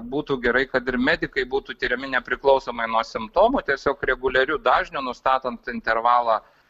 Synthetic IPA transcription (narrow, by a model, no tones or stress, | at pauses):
buːt̪uːɡʲɛɾɐɪkɐt̪ɪrmʲæːd̪ʲɪkɐɪbuːt̪uːt̪ʲiːɾʲɛmʲɪnʲɛpʲɾʲɪklˠɒʊsoːmɐɪnuɔsʲɪmpt̪oːmʊt̪ʲiɛsʲoːkɾʲɛɡʊlʲɛɾʲud̪ɑːʒʲnʲunʊst̪ɑːt̪ɐnt̪ɪnʲt̪ʲɛrʋɑːlˠɑː